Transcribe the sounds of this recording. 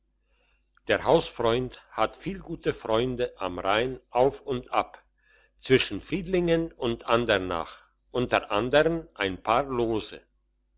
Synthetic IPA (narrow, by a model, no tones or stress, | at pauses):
d̥eːɐhaʊsfʁ̥ɔʏnthatfiːlɡuːtəfʁ̥ɔʏndəʔa̰mʁaɪnʔaʊfʊntʔap | t͡sv̥ɪʃn̩fʁ̥iːdlɪŋənʊntʔandəna̰ːχ | ʔʊntəʁʔandəʁənʔaɪnpʰaːɐloːzə̰